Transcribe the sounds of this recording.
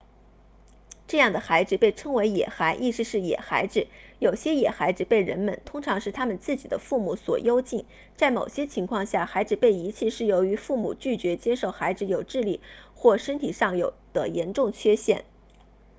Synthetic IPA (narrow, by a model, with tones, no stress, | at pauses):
ʈ͡ʂɤ˥˧jɑ˥˩ŋd̪ə˩xa˧˥ɪʈ͡ʂɻ̩˧pe˥˩ɪʈ͡ʂʰɤ˥ŋwe˧˥ɪjɛ̰˨˩xa˧˥ɪʔi˥˧sʂɻ̩˧ʂɻ̩˥˩jɛ̰˨˩xa˧˥ɪʈ͡ʂɻ̩˧˦jo˨˩ʊɕjɛ˥jɛ˨˩xa˧˥ɪʈ͡ʂɻ̩˧pe˥˩ɪɻə̰˧˥nmə̰˧˨nt̪ʰʊ˥ŋʈ͡ʂʰɑ˧˥ŋʂɻ̩˥˩t̪ʰa˥mə˨nt͡sɹ̩˥˩t͡ɕi˨˩d̪ə˦fu˥˩mu˧˥˩swɔ̰˨˩jo˥ʊt͡ɕi˥˩n | t͡sa˥˩ɪmo˨˩ʊɕjɛ˥t͡ɕʰi˧˥ŋkʰwɑ˥˧ŋɕja˥˩xa˧˥ɪʈ͡ʂɻ̩˨˩pe˥˩ɪi˧˥t͡ɕʰi˥˧ʂɻ̩˥˩jo˧˥ʊy˧˥fu˥˩mṵ˨˩t͡ɕy˥˩t͡ɕɥɛ˧˥t͡ɕjɛ˥ʂo˥˩ʊxa˧˥ɪʈ͡ʂɻ̩˧˥jo˨˩ʊʈ͡ʂɻ̩˥˧li˥˩xwɔ˥˩ʂə˥nt̪ʰi˨˩ʂɑ˥˩ŋjo˨˩ʊd̪̥ə˦jɛ˧˥nʈ͡ʂʊ˥˩ŋt͡ɕʰɥɛ˥ɕjɛ̰˥˩n